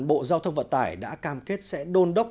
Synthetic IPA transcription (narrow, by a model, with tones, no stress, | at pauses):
nɓo̰˧˨zaː˧wt̪ʰə˧wŋ͡mvə̰˧˨nt̪aː˧˩jɗa̰ː˧˥kaː˧˩mke˦˥t̚sɛ̰˧˥ɗo˧nɗə˦˥w̚